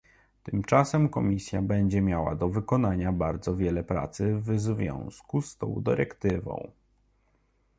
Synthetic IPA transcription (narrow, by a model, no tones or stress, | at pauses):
t̪ɘmt͡ʂasɛmkɔmʲisʲjabɛɲd͡ʑɛmʲjawa̰d̪ɔvɘkɔnaɲabaɾd̪zɔvʲjɛlɛpɾa̰t̪sɘvzvʲjɔ̰̃w̃skust̪ɔ̰̃w̃d̪ɘ̰ɾɛkt̪ɘvɔ̰̃w̃